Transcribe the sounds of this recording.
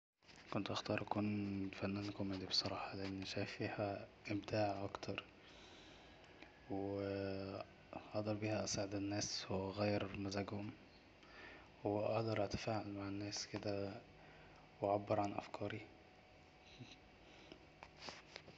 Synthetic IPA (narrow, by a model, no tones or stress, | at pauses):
kont̪ʔɑxt̪ɑːɾˤʔækuːnfænːænkomæd̪ibe̥sˤɑɾˤɑːħɑleʔenːʃæjfiːhæʔebd̪aːʕʔɑkt̪ʰɑɾˤ | w | ʔɑhd̪ɑɾˤbiːhæʔæsaʕed̪ænːæːswɣæjːɑɾmæzæɡhʊm | wʔɑ̰hd̪ɑɾˤʔæt̪æ̥faːʕalmaʕenːæːsked̪æ | wʕabːeɾʕanʔæ̰fkʰɑːɾi